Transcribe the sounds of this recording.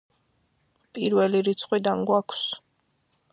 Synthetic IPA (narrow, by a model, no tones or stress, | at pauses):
pʼiɾvɛliɾit̪sʰʼqʼwid̪anɡwakʰs